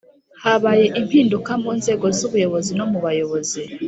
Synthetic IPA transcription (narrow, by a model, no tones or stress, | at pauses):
haβaje̞ʔim̥hiːndukamuːnze̞ːɡo̞zuβujo̞βo̞zinomuβajo̞βo̞zi